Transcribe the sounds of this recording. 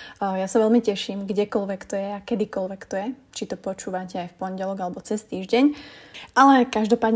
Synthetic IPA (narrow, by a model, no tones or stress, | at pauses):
jasaʋɛlmicɛʃiːmɡɟɛkɔlʋɛkt̪ɔjɛakɛd̪ikɔlʋɛkt̪ɔjɛt͡ʃit̪ɔpɔt͡ʃuːʋacɛajfpɔɲɟɛlɔɡalɛbɔt͡sɛst̪iːʒɟɛɲʔalɛkaʒd̪ɔpaːd̪